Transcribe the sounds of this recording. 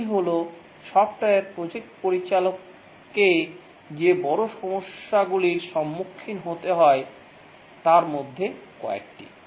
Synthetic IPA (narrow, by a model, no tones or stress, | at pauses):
ɦolo | ʃɔb̚ʈaeɾpɾod͡ʑek̚ʈpoɾit͡ɕalokː | e | d͡ʑebɔɾoʃɔmoʃːaɡuliɾʃɔmːukʰːinɦot̪eɦɔe | t̪aɾmod̪ʱːekɔḛk̚ʈḭ